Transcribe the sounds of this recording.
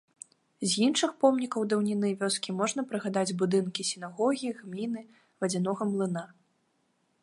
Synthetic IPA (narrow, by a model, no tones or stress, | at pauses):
zʲjinʂɨxpɔmnʲikɐwd̪ɐwnʲinɨvʲɔskʲimɔʐn̪ɐpɾɨɣad̪ad͡zʲbud̪ɨnkʲisʲinaɣɔɣʲiɣmʲinɨ | vɐd͡zʲɛnɔɣɐmlˠɨn̪a